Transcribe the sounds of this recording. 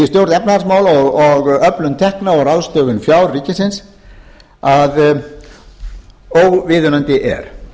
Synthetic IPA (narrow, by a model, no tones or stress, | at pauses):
ɪst̪jowɾ̥t̪ɛpnaðaɾsmaːwlɔɣɔɣœplʏnt̪ʰɛhknaɔɾawst̪œːɣʏnfjawɾːiːcɪsɪns | að | owɣvɪːðʏnant̪ɪʔɛ̰ɾ̥